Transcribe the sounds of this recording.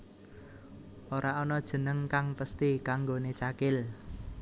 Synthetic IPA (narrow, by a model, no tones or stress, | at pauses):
oɾaɔnɔd̥ʒ̥ə̤nəŋkaŋpəst̪ikaŋɡonet͡ʃakɪl